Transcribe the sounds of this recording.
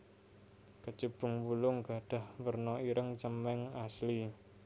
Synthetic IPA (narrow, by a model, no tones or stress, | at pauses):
kət͡ʃəb̥ʊ̤ŋwulʊŋɡ̥a̤ɖ̥a̤hwərnɔiɾʔəŋt͡ʃəmɛŋasli